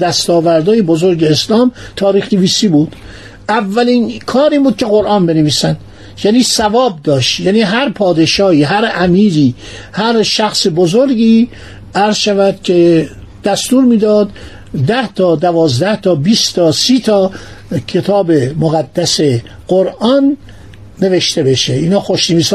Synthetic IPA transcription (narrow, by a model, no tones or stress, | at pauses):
d̪æst̪ɒːvæɾd̪ɒːjebozoɾɟeːslɒːmt̪ʰɒːɾiːxneviːsiːbuːd̪̥ | ʔævːælinkʰɒːɾiːbuːd̪̚kʲʰe̞ɣo̞ɾʔɑːnbeneviːsænd̪ | jæːniːsævɒːb̚d̪ɒːʃt̪jæːniːɦæɾpʰɒːd̪e̞ʃɒːhiːɦæɾæmiːɾiː | hæɾʃæxsebozoɾɟiː | æɾzʃævæd̪cʰe̞ | d̪̥æst̪uːɾmiːd̪ɒːd̪ | d̪æht̪ʰɒːd̪ævɒːzd̪æht̪ʰɒːbiːst̪ʰɒːsiːt̪ʰɒːcʰe̞t̪ʰɒːbe̞moɣæd̪ːæse̞ | ɡ̥oɾʔɒːnː | e̞ve̞ʃt̪e̞be̞ʃeiːnɒːxoʃneviːs